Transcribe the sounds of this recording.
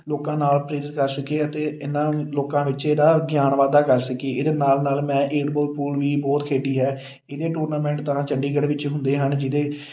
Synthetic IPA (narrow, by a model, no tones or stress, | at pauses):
loːkãːnaːlpɾeːɾɪt̪kəɾsəkeːət̪eːɪnːãːloːkãːʋɪt͡ʃeːd̪aːɡjaːnʋaːd̪aːkəɾsəkeːed̪eːnaːlnaːlmɛ̃ːʔeːɖboːlpuːlʋiːbɔːt̪kʰeːɖiːɦɛː | eːd̪eːʈuːɾnaːmɛ̃ːɳʈt̪ãːt͡ʃəɳɖiːɡəɽʋɪt͡ʃɦʊ̃nd̪eːɦənd͡ʒɪd̪eː